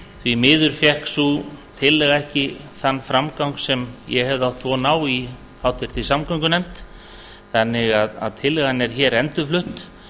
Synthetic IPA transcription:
θvimɪːðʏɾ̥fjɛhksut̪ʰɪlːɛɣaɛhcɪθanːfɾamkawŋksɛmjɛhɛvðawht̪ʰvɔnaːwi | hawt̪ɪɾ̥t̪ʰɪlsamkœŋkʏnɛm̥t̪ | θanːɪɣaða̰ðt̪ʰɪlːɛɣanːɛɾ̥çɛːɾɛnt̪ʏflʏht̪

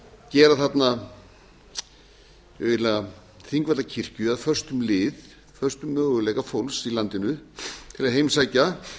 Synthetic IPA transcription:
cɛːɾaθat̪na | ɪvɪɾlna | θiŋkvat̪acʰir̥cʏaðfœr̥st̪ʏmlɪːð | fœr̥st̪ʏmːœːɣʏlɛːɣafowlsilant̪ɪnʏt̪ʰɪlaðɦejmsaːjca

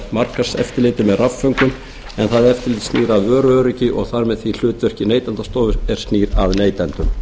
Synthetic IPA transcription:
mar̥kḁsɛ̰ft̪ɪɾlɪːjt̪ɪmɛðrafːœɥŋkʏm | ɛnθaðɛɾɛft̪ɪɾlːt̪st̪niːɾaðœːɾʏœːɾɪcɪʔɔ̰ɣθaɾmɛðθil̥ʏːt̪vœr̥cɪneːjt̪ɛnt̪ast̪oːwvʏɾɛɾ̥st̪niːɾaðneːjt̪ɛnt̪ʏm

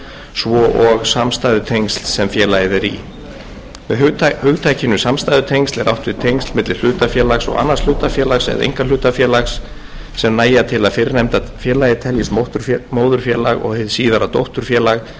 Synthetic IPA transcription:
svɔʔɔɣsamst̪aːjðʏt̪ʰejŋkst̪lsɛmfjɛːlajðɛɾḭ | mɛðhʏɣt̪ʰaːjcɪnʏsamst̪ajðʏt̪ʰejŋkst̪lɛɾʔa̰wht̪vɪðt̪ʰejŋkst̪lmɪt̪lɪ̥l̥ʏːt̪afjɛːlaxsɔ̰ɣa̰nːaɾsl̥ʏːt̪afjɛːlaxsɛ̰ðḛjŋkalʏːt̪afjɛːlaxsː | ɛmnaːjat̪ʰɪlaðfɪɾɪnɛmt̪afjɛːlaːjɪt̪ʰɛljɪsmoht̪ʏɾmoːwðʏɾ̥fjɛːlaɣɔ̰ɣhɪðsiːðaɾat̪owht̪ʏɾ̥fjɛːlaɣ

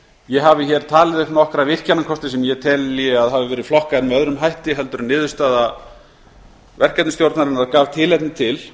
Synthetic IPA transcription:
jɛɦavɪçɛɾ̥t̪ʰaːlɪðʏhpnɔhkɾavɪr̥canːakʰɔst̪ɪsɛmjɛt̪ʰɛlːjɛaðɦaːvɪvɛːɾɪ̥flɔhkaðɛnmɛœðɾʏmɦajht̪ɪɦɛlt̪ʏɾnɪːðʏst̪aːða | vɛr̥kɛt̪nʏst̪jowɾt̪naɾɪnaaðkaːvt̪ʰɪlɛt̪nɪt̪ʰɪl

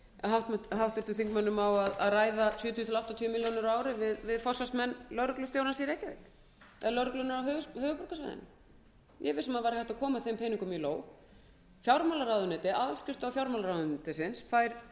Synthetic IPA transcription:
ɦawht̪ɦawht̪ɪ̥t̪ʏθiŋkmœnːʏmawaðaðraːjðasjʏːt̪ʰjːt̪ʰɪlawht̪at̪ʰyːʏmiljownɪɾaːwɾɪvɪðvɪðfɔrsast̪mɛnːlœɾklʏst̪jowɾansiɾejcavɪ̰k | ɛ̰ðlœɾklʏnaɾawɦœːɣhœːɣʏpɔr̥kasva̰jðɪ̰nɪ̰ | jɛvɪsɛmaðvaːɾɪhɛht̪akʰɔːmaθempʰeːjniŋkʏmiloːw | fjawɾmalaɾawðʏnɛːt̪ɪʔaðalscʏst̪awfjawɾmalaɾawðʏnt̪ɪsɪnsfajɾ̥

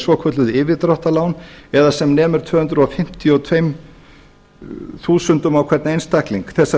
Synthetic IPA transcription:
svɔkʰvœt̪lʏðɪːvɪðt̪ɾɔwht̪alaːwnɛðasɛmnɛːmʏɾ̥t̪ʰvœːhʏnt̪ɾʏɔfɪm̥t̪ʰjɔt̪ʰvejm | θuːsʏnt̪ʏmawkʰvɛɾt̪nejnst̪akliŋkθɛsːa

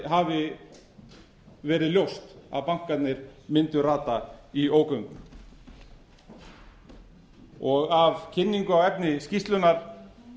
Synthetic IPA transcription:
ɦavɪ | vɛːɾɪðljowst̪a̰ðpaŋ̥kat̪nɪɾ̥mɪnt̪ʏɾaːt̪aioːwkœŋkʏ | ɔɣavcʰɪnːiŋkʏawɛpnɪscist̪lʏnaɾ̥

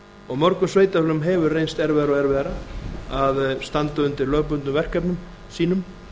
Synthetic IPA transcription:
ɔɣmɔɾkʏmsveːjt̪aflʏmɦɛvʏɾrejnst̪ɛɾvɛːɾɔɛɾvɛːɾaaðst̪ant̪aʏnt̪ɪɾlœːɣpʏnt̪ʏvɛr̥kɛpnʏm | siːnʏm

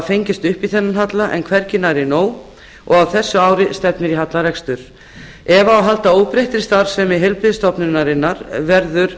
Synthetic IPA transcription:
fejɲcɪst̪ʏhpiθɛnːanɦat̪laʔɛ̰nkʰvɛɾcɪnaɾɪnoːw | ɔ̰ɣawθɛsːʏaːwɾɪst̪ɛpnɪɾiɦat̪laɾɛkst̪ʏɾ̥ | ɛvaːwɦalt̪aoːwpɾejht̪ɪɾ̥st̪aɾ̥sɛmɪɦɛlpɾɪðst̪ɔpnʏnːaɾɪnːaɾvɛɾðʏɾ̥

